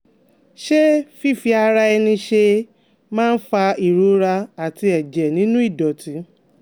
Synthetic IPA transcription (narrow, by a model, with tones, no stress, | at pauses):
ʃe˦fi˦˨fi˧a˧ɾa˧ɛ˧nĩ˧ʃe˧ | mãː˦˧n̩˦fa˧i˨ɾu˨˦ɾa˧a˨ti˧ɛ˨d͡ʒɛ˨nĩ˨˦nũ˦i˦˨dɔ˨ti˨˦